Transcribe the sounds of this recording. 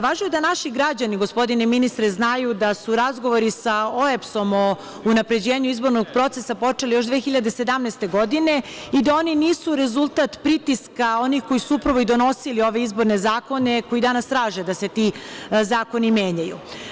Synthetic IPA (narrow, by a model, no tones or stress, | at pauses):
ʋaːʒujed̪anaʃiɡɾad͡ʑaniɡo̞spo̞d̪ineminist̪ɾeznajud̪asuɾazɡo̞ʋo̞ɾisaoepso̞mo̞ | unapɾe̞d͡ʑe̞ːɲuizbo̞ɾno̞ɡ̚pɾo̞t̪sesapo̞t͡ʃe̞lijo̞ʃd̪ʋeːxiʎad̪e̞se̞d̪amnɛst̪e̞ɡo̞d̪ine̞id̪ao̞niniːsuɾe̞zulˠt̪at̪pɾit̪iskao̞nixko̞jisuupɾaʋo̞id̪o̞no̞silio̞ʋe̞izbo̞ɾne̞zaːko̞ne̞ko̞jid̪anast̪ɾaːʒed̪ase̞t̪izaːko̞nimje̞ːɲajṵ